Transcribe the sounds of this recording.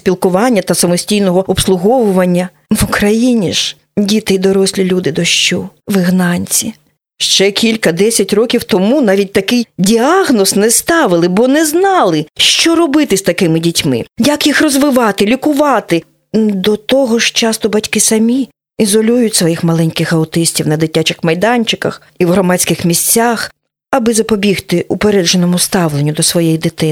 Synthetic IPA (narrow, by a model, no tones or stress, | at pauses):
sʲpʲilˠkʊʋɑnʲːɐt̪ɐsɐmɔsʲtʲijnɔɦɔɔpslˠʊɦɔʋʊʋɐnʲːɐ | ʋʊkɾɐjinʲiʒ̥ | dʲit̪ɪjd̪ɔɾɔsʲlʲilʲud̪ɪd̪ɔʃt͡ʃɔʋɪɦnɑnʲt͡sʲi | ʃt͡ʃɛkʲʰilʲkɐd̪ɛsʲɐtʲrɔkʲiwt̪ɔmunɑʋʲit̚ʲt̪ɐkɪjdʲiɑɣnɔsnɛst̪ɑʋɪlˠɪbɔnɛznɑlˠɪʃt͡ʃɔɾɔbɪt̪ɪsʲt̪ɐkɪmɪdʲitʲmɪ̰jɐkjixrɔzʋɪʋɑt̪ɪlʲikʊʋɑt̪ɪ | d̪ɔt̪ɔɦɔʃt͡ʃɑst̪ɔbɐtʲkɪsɐmʲi | izɔlʲujʊtʲsʋɔjixmɐlˠɛnʲkɪxɐʊt̪ɪsʲtʲiwnɐd̪ɪtʲat͡ʃɪxmɐjd̪ɑnʲt͡ʃɪkɐ̰x | iwɦɾɔmɑt͡sʲkɪxmʲisʲt͡sʲːax | ɐbɪzɐpɔbʲixt̪ɪʔʊpeɾɛʒenɔmʊst̪ɑwlˠenʲːʊd̪ɔsʋɔjɛjid̪ɪt̪ɪ